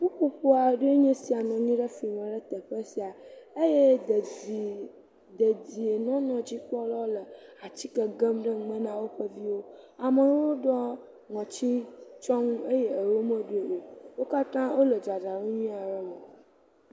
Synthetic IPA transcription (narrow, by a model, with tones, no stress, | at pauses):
ɸu˦ɸu˦ɸo˦a˨ɖu˦e˦ɲɛ̃˦si˨a˨nɔ̃˨ɲĩ˦ɖə˦fi˨mə̃˨ɖə˦t̪ə˨ɸə˦si˨a˨e˦je˦˨ | d̪ə˨d͡ʑi˨e˨nɔ̃˦nɔ̃˨d͡ʑi˦k͡pɔ˦lɔ˦lə˨a˨t͡ɕi˦kə˨ɡə˦mɖə˦ŋ˦mə̃˦nã˦wo˦ɸə˦vi˦wo˦a˨mə˨˦wwo˦ɖɔ˦ | ŋɔ̃˨t͡ɕi˦t͡ʃɔ˦ŋũ˦e˦je˦ə˨wo˦mə̃˦ɖu˦e˨ʔo˨wo˦ka˦t̪ã˦wʔo˦lə˨d͡ʒa˨da˨wo˦ɲĩ˦a˨ɖə˦mə̃˨